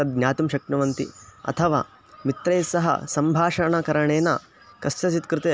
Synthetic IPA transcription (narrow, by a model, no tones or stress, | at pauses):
ɐd̪̚ɡɲʲjaːt̪umʃɐk̚nɐʋɐnt̪ḭɐ̰t̪ʰɐʋa̰ː | mit̪ɾeːsɐɦɐ̰sɐmbʱaːʂɐɳɐkɐɾɐɳeːnɐ̰ | kɐst͡ʃɐt͡ʃit̪kɾɪt̪eː